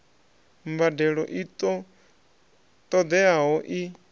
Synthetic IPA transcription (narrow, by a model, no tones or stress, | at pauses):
mbadɛɺɔʔit̪ɔ | t̪ʼɔd̪ɛaɦɔʔi